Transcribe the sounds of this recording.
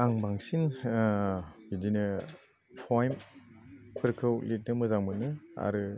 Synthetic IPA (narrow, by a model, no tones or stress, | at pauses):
aŋbaŋsin | bidinɯ | pʰɔjm | pʰɯɾkʰɯwlit̚nɯmɯzaŋmɯnɯa̰ɾɯ